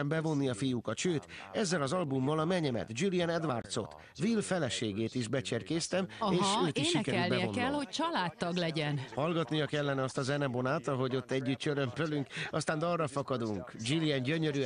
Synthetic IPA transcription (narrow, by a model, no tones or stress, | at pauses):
ɛmbɛvo̞nːiɒfijukɒt̪ʃøːt̪ | ɛzːɛlɒzɒlbumbɒlɒmɛɲɛmɛ̰t̪d͡ʒilijɛnɛd̪ʋart̪so̞̰t̪ | ʋilfɛlɛʃeːɡeːt̪iʒbɛt͡ʃɛrkeːst̪ɛmeːʃøːt̪ieʃːʃikɛɾɛlnbɛiɛonɛlho̞c̚t͡ʃɒlaːt̪ːɒɡlɛɟɛnhɒlɡɒt̪nijɒkɛlːɛnɛɒst̪ɒzɛnɛbonaːt̪ɒɦo̞ɟo̞t̪ːɛɟːyt̪t͡ʃøɾømpølyŋkɒst̪aːnd̪ɒrrɒfɒkɒd̪uŋkd͡ʒilijɛnɟøɲøɾy